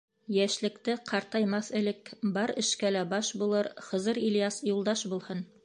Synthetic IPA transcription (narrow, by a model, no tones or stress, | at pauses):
jæʃlɘ̆kt̪ɘqʰɑɾt̪ɑjmɑθɘ̆lɘkbɑɾɘ̆ʃkælæbɑʃbulˠɤɾχɤ̆zɤɾiljɑsjulˠd̪ɑʃbulˠhɤn